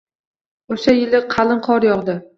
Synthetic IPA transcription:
oʃajɪlɪqʰɑlˠɪɴqʰɒɾjɒʁd̪ɪ

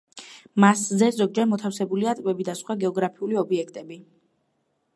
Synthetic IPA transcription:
maszɛzɔɡ̚d͡ʒɛɾmɔt̪ʰafsɛbuliat̪ʼkʼwbɛbid̪asχwaɡɛɔɡɾapʰiuliɔbiɛkʰt̪ʼɛbi

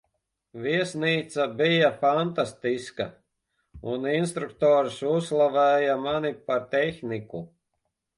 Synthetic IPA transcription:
viɛsniːt̪sabijafant̪ast̪iska̰ | uninst̪ɾukt̪ɔːɾsuslˠavɛːjamanipaɾt̪ɛxniku

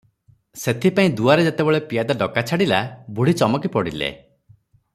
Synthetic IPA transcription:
set̪ʰipaĩd̪uaɾed͡ʒet̪ebeɭepijad̪aɖɔkat͡ʃʰaɽilabuɽit͡ʃɔmɔkipɔɽilḛ

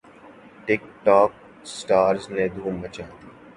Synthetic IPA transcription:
ʈɪk̚ʈɔːk̚ | sʈaːɾzned̪ʱuːmət͡ʃaː

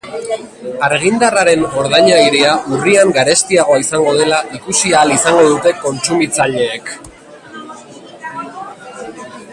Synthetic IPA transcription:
aɾɣ̞ind̪araɾe̞ŋɣo̞ɾð̞aɲajɾeaʔuriaŋɡaɾe̞st̪iaɣ̞o̞aisaŋɡo̞ð̞e̞laʔikusiaːlisaŋɡo̞ðut̪e̞ko̞nt͡sumit͡saʎe̞ːk

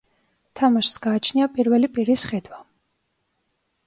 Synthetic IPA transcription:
t̪ʰamaʃsɡaːt͡ʃʰniapʼiɾvɛlipʼiɾisχɛd̪wa

